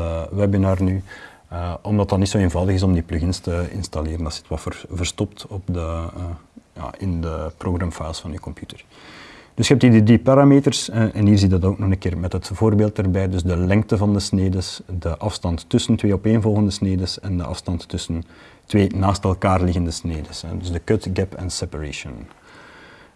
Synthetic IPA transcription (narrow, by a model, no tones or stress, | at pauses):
əwɛbənarny | əɔmdɑtɑtnitsoːeːnvɑwdəɣɪs̬ɔmdiplyɣɪnstəɪ̰nstɑleːɾənɑsɪ̥twɑfvərstɔptɔp̚də | ja̰ːʔɪndəproɣrɑmfajlˠsfɑnykɔmpjytər | d̥ɵsxɛp̚tidədipaːɾaːmeːtərsʔɛnɦiːrzidɑtoːknɔxənkeːrmɛtɦətv̥oːrbeːlˠtərbɛjdɵzdəlɛŋ̚təvɑndəsneːdəsdəʔɑfstɑntːʏsəntweːɔpeːnvɔlˠɣəndəsneːdəsɛndə̰ʔɑ̰fstɑntːʏsəntweːnaːstɛlˠkaːrlɪɣəndəsneːdəsɛ̰dɵzdəkøtɡɛpɛ̰nsɛpaɹeʃən